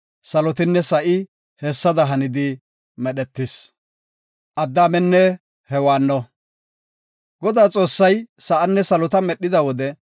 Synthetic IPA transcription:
sɐlɔt̪ɪnːɛsɐʔɪ | hɛːsːɐd̪ɐɦɐnɪd̪ɪ | mɛɗɛt̪ːɪs | ʔɐd̪ːaːmɛnːɛ | hɛwaːnːɔ | ɡɔd̪aːt͡sʼo̞ːsːɐjsɐʔɐnːɛsɐlɔt̪ɐmɛɗːɪd̪ɐwɔd̪ɛ

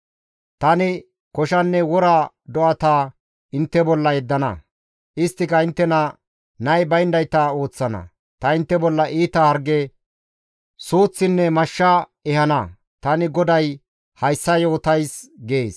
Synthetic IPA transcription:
t̪ɐnɪ | kɔʃɐnːɛwɔɾɐ | d̪ɔʔɐt̪aː | ɪnt̪ːɛbɔlːɐjɛd̪ːɐnɐ̰ | ʔɪst̪ːɪkɐɪnt̪ːɛnɐ | nɐjbɐjnd̪ɐjt̪ɐo̞ːt͡sːɐnɐ̰ | t̪ɐɪnt̪ːɛbɔlːɐʔiːt̪ɐhɐɾɡɛ | suːt͡sːɪnːɛmɐʃːɐ | ɛhɐnɐ | t̪ɐnɪɡɔd̪ɐj | hɐjsːɐjo̞ːt̪ɐjsɡeːs

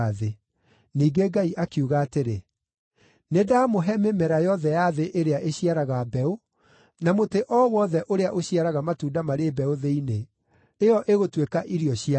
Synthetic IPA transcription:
ðe | niːɡeɡaiʔakiuɣaːteɾe | nedamoɦɛmemɛɾajɔðɛjaðeʔeɾeaʔeɕiaɾaɣabɛo | namoteʔɔwɔðɛʔoɾeaʔoɕiaɾaɣamatuːndamaɾebɛoðeine | eɔʔeɣotwekaʔiɾiɔɕia

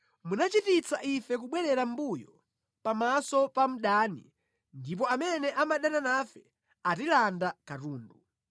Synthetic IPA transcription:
munat͡ʃitit͡saʔifɛkuɓwɛɾɛɾam̩bujɔ | pamasɔpam̩ɗaːnḭ | ndip̬ɔamɛnɛʔamaɗananafɛ | atilandakatuːndu

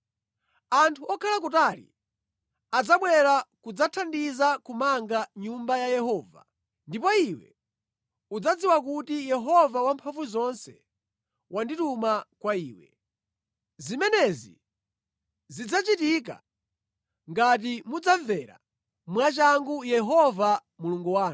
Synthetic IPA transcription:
antʰuɔkʰalak̬utalḭ | ad͡zaɓwɛɾakud͡zatʰandizakumaŋɡaɲumbajajɛhɔːva̰ | ndip̬ɔiwɛ̰ | ud͡zad͡ziwak̬utijɛɦɔvawampʰaɱvuzɔnsɛ̰ | wʔanditumakwaiːwɛ̰ | zimɛnɛzḭ | zid͡zat͡ʃitik̬a̰ | ŋɡat̬imud͡zavɛɾa̰ | mwat͡ʃaŋɡujɛɦɔva | muluŋɡuwaːn

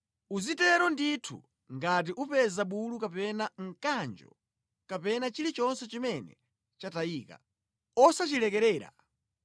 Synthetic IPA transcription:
uzitɛɾɔnditʰṵ | ŋɡat̬iʔupɛzaɓulukapɛnaŋ̩kand͡ʒɔ̰ | kapɛnat͡ʃilit͡ʃɔnsɛt͡ʃimɛnɛ̰ | t͡ʃatajiːka̰ | ɔsat͡ʃilɛkɛɾɛːɾa̰

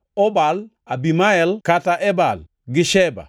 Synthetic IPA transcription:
obal | abimaɛlkataʔebal | ɡiʃeba̰

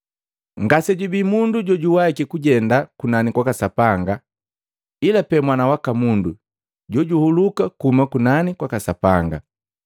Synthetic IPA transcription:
ŋɡasɛɟubimunduɟɔɟuwaikikuɟɛndakunanikwakasapaŋɡa | ilapɛmwanawakamundu | ɟɔɟuhulukakuumakunanikwakasapaŋɡa̰

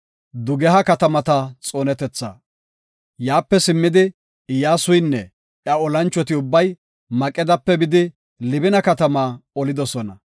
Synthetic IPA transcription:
d̪ʊɡɛɦɐkɐt̪ɐmɐt̪ɐt͡sʼoːnɛt̪ɛt͡sːa̰ | jaːpːɛsɪmːɪd̪ɪ | jaːsʊjnːɛ | jɐɔlɐnt͡ʃːɔt̪ɪʊbːɐj | mɐkʼːɛd̪ɐpːɛbɪd̪ɪ | lɪbɪnɐkɐt̪ɐmaːɔlɪd̪ɔsɔnɐ

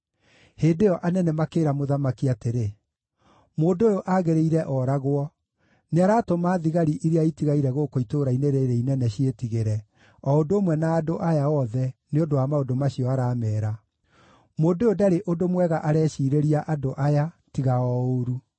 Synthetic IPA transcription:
heːdeɔʔanɛnɛmakeːɾamoðamakiateɾe | moːdojoʔaɣeɾeiɾɛʔɔɾaɣwɔ | neaɾaːtomaːðiɣaɾiʔiɾeaitiɣaiɾɛɣokoitoɾaineɾeɾeinɛnɛɕietiɣeɾɛ | ɔondooːmwɛnaːdoʔajaɔðɛneondowamaodomaɕiɔaɾaːmɛːɾa | moːdojodaɾeʔodomwɛɣaʔaɾɛːɕiːɾeɾiaʔadoʔaja | tiɣaɔoɾu

